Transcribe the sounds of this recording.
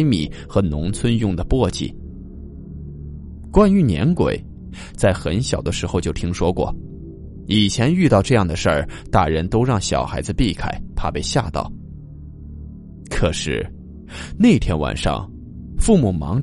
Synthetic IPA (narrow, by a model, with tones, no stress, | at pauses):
ɪmḭ˨˩xɤ˧˥nʊ̰˧˥ŋt͡sʰwə˥njʊ˥˩ŋd̪ə˩pwɔ˥˧t͡ɕḭ˥˩ | kwa˥ny˧˥njɛ̰˧˥nkwḛ˨˩ɪ | t͡sa˥˩ɪxə˧˥nɕjɑ˨˩ʊd̪ə˦ʂɻ̩˧˥xo˧ʊt͡ɕjo˥˩ʊt̪ʰi˥ŋʂwɔ˥kwɔ̰˥˩ | i˨˩t͡ɕʰjɛ˧˥ny˥˧t̪ɑ˥˧ʊʈ͡ʂɤ˥˧jɑ˥˩ŋd̪ə˩ʂə˞˥˩t̪a˥˩ɻə˧˥nt̪o˥ʊɻɑ˥˩ŋɕjɑ˨˩ʊxa˧˥ɪd͡zɹ̩˧pi˥˩kʰa˨˩ɪpʰa˥˧pe˥˧ɪɕja̰˥˧t̪ɑ̰˥˩ʊ | kʰɤ˨˩ʂɻ̩˥˩ | ne˥˩ɪt̪ʰjɛ˥nwa̰˨˩nʂɑ̰˥˧˩ŋ | fu˥˩mu˨˩mɑ̰˧˥ŋ